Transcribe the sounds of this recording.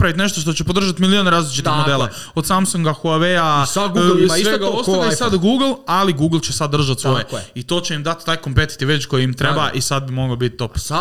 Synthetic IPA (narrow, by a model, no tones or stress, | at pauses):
pɾaʋit̪ne̞ʃt̪oʃt̪ot͡ɕepod̪ɾr̩ʒat̪milioneɾaːzlit͡ʃit̪ixmod̪eːlˠa | od̪saːmsoŋɡaxoaʋejasaɡekosaasad̪ɡuːɡl̩ˠaliɡuːɡl̩ˠt͡ɕesad̪ːr̩ʒat̪sʋo̞jeit̪o̞ːt͡ɕeimd̪at̪t̪aːjkompet̪i̥t̪iʋe̞t͡ɕko̞jiimt̪ɾebaʔisad̪̚bimo̞ɡobit̪̚t̪o̞p